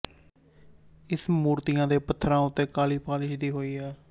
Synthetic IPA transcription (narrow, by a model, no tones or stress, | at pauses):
ɪsmuːɾt̪ɪjãːd̪eːpət̪ʰːɾãːʊt̪ːeːkaːliːpaːlɪʃd̪iːɦoːiːɛː